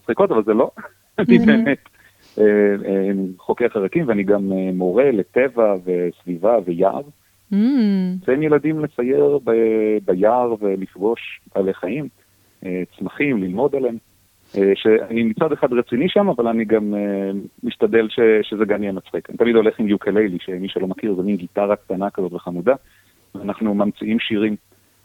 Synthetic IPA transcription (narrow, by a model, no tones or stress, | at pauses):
mat͡sχiko̞t̪avalzelo̞ | nibemet̪ | e | χo̞keχaʁakimveaniɡameːo̞ʁe̞let̪e̞vave̞svivaveja̰ʁ | vehemjelad̪imle̞t͡saje̞ʁbebajaʁve̞lifɡo̞ʃaleχaim | ʔet͡smaχimlilmo̞d̪aleem | eʃeanimit͡sad̪eχad̪ʁet͡siniʃamavalaniɡamː | iʃt̪ad̪e̞lʃe̞ʃezeɡamijɛmat͡sχikanḭt̪amid̪o̞le̞χimjukʰelejliʃemiʃelo̞makiʁzeminɡit̪aʁak̚t̪anakazo̞t̪veχamuda | vanaχnumamt͡siʔimʃiʁim